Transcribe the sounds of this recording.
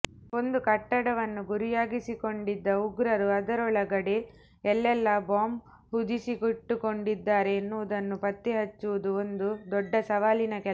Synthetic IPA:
o̞nd̪ukɐʈːɐɽɐʋɐnːuɡuɾijaːɡisiko̞ɳɖid̪ːɐuɡɾɐɾuɐd̪ɐɾɔɭɐɡɐɽe | ɛlːɛlːɐbaːm | ɦud̪isikuʈːuko̞ɳɖid̪ːaːɾe̞ːnːuʋud̪ɐnːupɐt̪ːiɦɐt͡ʃːuʋud̪uond̪ud̪ɔɖːɐsɐʋaːlinɐkɛ

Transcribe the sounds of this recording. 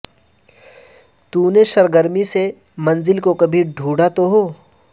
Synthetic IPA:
t̪uːneʃɐɾɡəɾmise | mɐ̃nzɪlkokɐbʱiɖʱuːɽat̪oɦoː

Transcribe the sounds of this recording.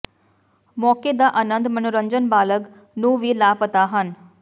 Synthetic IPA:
mɔːked̪aʔənənd̪mənuɾəɲd͡ʒənbaːləɡ | nuʋilapət̪aɦən

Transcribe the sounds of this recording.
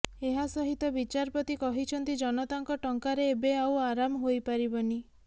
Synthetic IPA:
eɦasɔɦit̪ɔbit͡ʃaɾpɔt̪ikɔɦit͡ʃʰɔnt̪id͡ʒɔnɔt̪aŋkɔʈɔŋkaɾeːbeawaɾamɔɦojpaɾibɔni

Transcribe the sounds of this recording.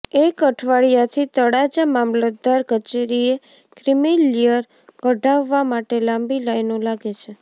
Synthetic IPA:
ekəʈʰʋaɭijat̪ʰit̪əɽad͡ʒamamləd̪aɾkət͡ʃeɾie | kɾimilijəɾ | kəɖaʋːamaʈelambilajnolaɡet͡ʃʰe

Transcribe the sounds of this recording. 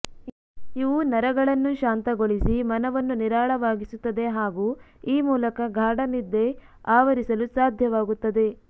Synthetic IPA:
iʋunɐɾɐɡɐɭɐnːuʃaːnt̪ɐɡoɭisimɐnɐʋɐnːuniɾaːɭɐʋaːɡisut̪ːɐd̪e̞ɦaːɡuːiːmuːlɐkɐɡʱaːɽɐnid̪ːe̞ | aːʋɐɾisɐlusaːd̪ʱjɐʋaːɡut̪ːɐd̪e̞

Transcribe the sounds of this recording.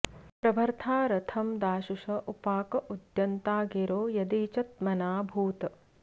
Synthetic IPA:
pɾɐbʱɐɾt̪ʰaːɾɐt̪ʰɐmd̪aːʃuʂɐʔupaːkɐʔud̪jɐnt̪aːɡeɾoːjɐd̪eːt͡ʃɐt̪̚mɐnaːbʱuːt̪ɐ

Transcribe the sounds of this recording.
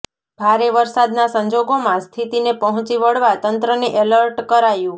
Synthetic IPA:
bʱaɾeʋəɾsad̪nasəɲd͡ʒoɡomãst̪ʰit̪inepəɦɔ̃t͡ʃiʋəɽʋat̪ənt̪ɾəniʔɛləɾʈkəɾajũ

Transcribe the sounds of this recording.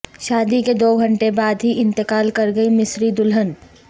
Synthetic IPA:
ʃaːd̪iked̪oːɡʱɐ̃ɳʈebaːd̪ɦiʔɪ̃nt̪ɪkaːlkɐɾɡɐimɪsɾid̪ʊlɦən

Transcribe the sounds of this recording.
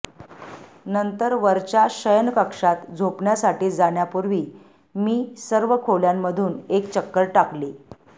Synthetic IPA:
nənt̪əɾʋəɾt͡ɕjaɕəjənkəkʂat̪d͡zʱopɳjasaʈiːd͡zaɳjapuɾʋiː | miːsəɾʋəkʰoljamːəd̪ʱuːnekt͡ɕəkːəɾʈakli

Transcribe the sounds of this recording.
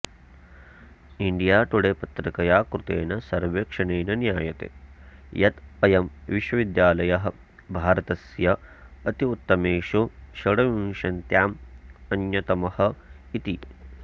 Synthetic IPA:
iɳɖijaːʈ̪uɽeːpɐt̪ɾɐkɐjaːkɾut̪ḛːnɐsɐɾʋeːkʂɐneːnɐnjaːjɐt̪ḛːjɐt̪ɐjɐmʋiʃwɐʋid̪jaːlɐjɐɦɐ̆ | bʱaːɾɐt̪ɐsjɐːt̪iut̪ːɐmeːʂuʃɐɽɐʋiŋʂɐnt̪jaːmɐnjɐt̪ɐmɐhɐ̆ | it̪i

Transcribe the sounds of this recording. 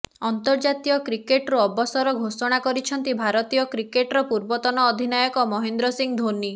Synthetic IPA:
ɔnt̪ɔɾd͡ʒat̪ijɔkɾikeʈɾuɔbɔsɔɾɔɡʱosɔɽ̃akɔɾit͡ʃʰɔnt̪ibʱaɾɔt̪ijɔkɾikeʈɾɔpuɾbɔt̪ɔnɔːd̪ʱinajɔkɔmɔɦend̪ɾɔsiŋd̪ʱoni

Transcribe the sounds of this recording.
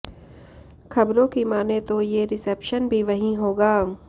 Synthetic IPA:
xʰɐbɾõkimaːnet̪ojeɾɪsepʃənbʱiʋɐɦĩɦoːɡaː

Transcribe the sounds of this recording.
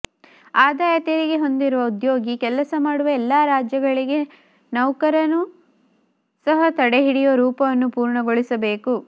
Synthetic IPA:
aːd̪aːjɐt̪iɾiɡe̞ɦo̞nd̪iɾuʋɐud̪jo̞ːɡikɛlɐsɐmaːɽuʋɐɛlːaːɾaːd͡ʒjɐɡɐɭiɡe̞ | nɐwkɐɾɐnu | sɐɦɐt̪ɐɽeɦiɽijoɾuːpɐʋɐnːupuːɾɳɐɡoɭisɐbe̞ːku

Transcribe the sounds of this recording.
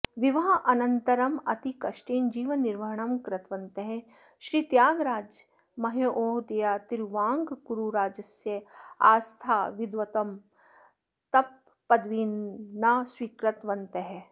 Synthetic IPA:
ʋiʋɐɦɐʔɐnɐnt̪ɐɾɐmɐt̪ikɐʃʈiːnd͡ʒiːʋɐnːiɾʋɐɦɳɐmkɾɐt̪ʋɐnt̪ɐɦe | ʃɾiːt̪jaːɡɾaːd͡ʒ | mɐɦeʔoːɦd̪ijaːt̪iɾʋãːŋɡɡuɾuɾaːd͡ʒɐsjɐa̰ːst̪ʰaːʋɪd̪ʋɐt̪ɐm | t̪ɐpː | ɐd̪ʋiːnːaːswiːkɾɐt̪ʋɐnt̪ɐɦe

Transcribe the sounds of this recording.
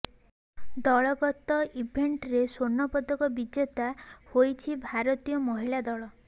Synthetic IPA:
d̪ɔɭɔɡɔt̪ɔʔibʱeɳʈɾesonːɔpɔd̪ɔkɔbid͡ʒjɔt̪ahojt͡ʃʰibʱaɾɔt̪ijɔmɔɦilad̪ɔɭɔ

